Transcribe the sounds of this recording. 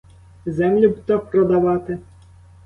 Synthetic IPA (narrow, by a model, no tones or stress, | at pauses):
zɛmlʲʊbt̪ɔpɾɔd̪aʋɑt̪ɪ